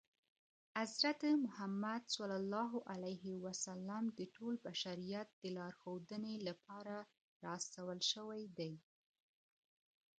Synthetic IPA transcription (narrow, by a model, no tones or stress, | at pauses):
azɾat̪əmʊhamːad̪salɑlːɑɦoʔalajɦɪwasalːamd̪əʈʰolbaʃaɾijat̪̚d̪̥əlɑɾxod̪ənelapɑɾa | ɾɑst̪awəlʃəwajd̪aj